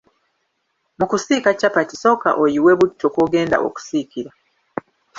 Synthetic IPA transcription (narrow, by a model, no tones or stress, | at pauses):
mukusikacapatiso̞ka̰ʔojiweβutʰːokoɡe̞ːnda̰ʔo̰ku̥sikiɾa